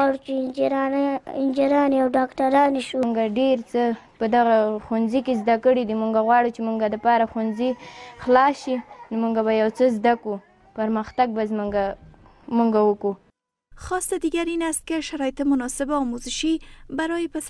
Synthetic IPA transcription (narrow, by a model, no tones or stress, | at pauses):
ɑɽut͡ʃe | ɪnd͡ʒeɾɑːneawɖɑːkʈaɾɑneʃuŋɡaɖeɾt͡səpəd̪aɣaxunzikezd̪akəɽid̪imuŋɡaɣwɑɽut͡ʃemuŋɡad̪əpɑɾaxunzixlɑsʃinomuŋɡaβajawt͡səzd̪aku | pəɾməxt̪aɡ̚bazmuŋɡa | muŋɡawəku | xɑst̪ad̪iɡaɾinast̪̚keʃaɾɑjɪt̪ɪmʊnɑsɪbaɔmozɪʃibaɾɔjepas